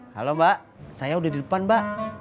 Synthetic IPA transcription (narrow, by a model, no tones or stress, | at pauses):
ha̰lomaʔ | sajaudahdidəpanbaʔ